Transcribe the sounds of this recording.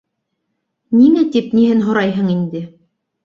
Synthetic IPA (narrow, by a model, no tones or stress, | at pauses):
niŋæt̪ip̚niɦɘnɦŏɾɑjɦɤɴind̪ɘ